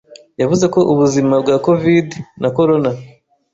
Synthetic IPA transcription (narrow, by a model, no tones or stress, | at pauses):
javuze̞ko̞ʔuβuzimabɡaːko̞vidinako̞ɾo̞na